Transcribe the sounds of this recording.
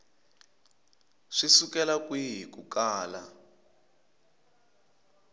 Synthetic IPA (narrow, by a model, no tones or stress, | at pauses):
ʂisukɛlakwiɦikukaːla